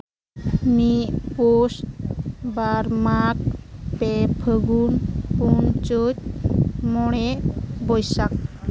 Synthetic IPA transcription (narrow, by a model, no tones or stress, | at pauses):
mipos | baɾmak̚pɛpʰəɡunpunt͡ʃotmɔɽɛbɔjsak̚